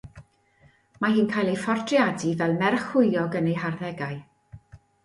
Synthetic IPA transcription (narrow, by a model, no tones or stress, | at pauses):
maɦiːnkʰajlˠejfɔrdʰrjadivɛlˠmɛrχʊjɔɡənejɦarðɛɡaj